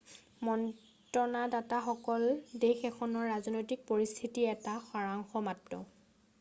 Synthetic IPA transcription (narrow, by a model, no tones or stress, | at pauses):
mɔn | tɔnadataxɔkɔldexɛxʰɔnɔɹːaznojtik̚poɹist̪ʰitiɛtaxaɹaŋxɔmatːɔ̰